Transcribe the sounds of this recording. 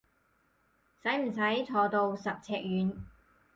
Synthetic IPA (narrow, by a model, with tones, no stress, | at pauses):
sɐ˨˥jm̩˨˩sɐ˨˥jt͡sʰɔː˧t̪o˧wsɐ˨p̚t͡sʰɛː˧k̚jyː˨˥n